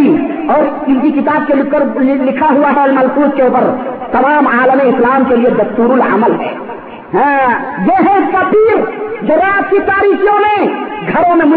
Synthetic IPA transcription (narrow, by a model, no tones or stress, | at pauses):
i | ɔːɾ | int̪ikit̪ab̚kelkəɾlikʰəɦuaɦɛlməlkuskeupəɾt̪əmamalneislamkelied̪əst̪uɾula̰məlɦɛ̰ | ɦɛ̃ | d͡ʒeɦẽpəp̪iɾd͡ʒəɾat̪̚kit͡ʃ̪aɾikʰijõmeɡʱəɾomemu